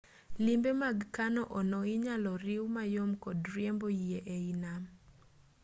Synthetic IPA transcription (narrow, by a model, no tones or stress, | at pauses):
limbemaɡkanɔʔɔnɔɪɲalɔɾɪwmajomkɔdɾjembojieʔeinam